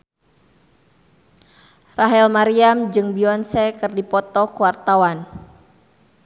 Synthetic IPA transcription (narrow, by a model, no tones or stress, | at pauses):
raɦɛlmaɾiamd͡ʒɨŋbiɔnsɛkɨrdipɔt̪ɔkuwart̪awan